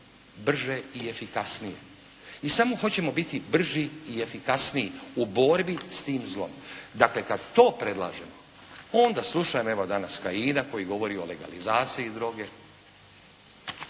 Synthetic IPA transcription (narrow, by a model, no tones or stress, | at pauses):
br̩ʒe̞ie̞fikasnije̞̰ | isamo̞xo̞t͡ɕe̞mo̞bit̪ibr̩ʒiːefikasnijiubo̞ɾbist̪iːmzlˠo̞̰md̪akle̞kad̪t̪o̞ːpɾe̞d̪lˠa̰ːʒe̞mo | o̞nd̪aslˠuʃajemoe̞ʋod̪anaskajiːnako̞jiɡo̞ʋo̞ɾio̞le̞ɡa̰lizaːt̪siid̪ɾo̞ɡe̞